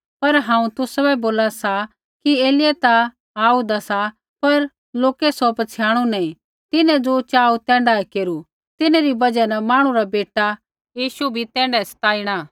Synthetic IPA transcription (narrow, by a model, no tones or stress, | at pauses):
pɐɾɦãːũt̪ʊsɐbɛboːlasa | kieːlɪjɛt̪a | aːud̪asa | pɐɾ | loːkɛsɔpɐt͡ʃʰɪjãːɽ̃unɛĩ | t̪ɪnɛ̃d͡zot͡ʃaːut̪ɛ̃ːɳɖaɛkeːɾu | t̪ɪneɾibɐd͡ʒɛnɐmãːɽ̃ũɾabeːʈa | jiːʃubʱit̪ɛ̃ːɳɖɛsɐ̥t̪aːiːɽ̃aː